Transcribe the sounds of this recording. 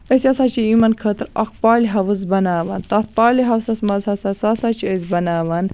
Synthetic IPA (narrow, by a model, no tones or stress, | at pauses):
əsʲɐsat͡ʃʰiimɐnkʰət̪ɨɾɐ̰k̚paːliɦɐʋɨzbɐnaːʋɐnt̪ɐfpaːliɦɐwsɐsmɐzɦɐsɐsasat͡ʃʰiəzbɐnaːʋɐn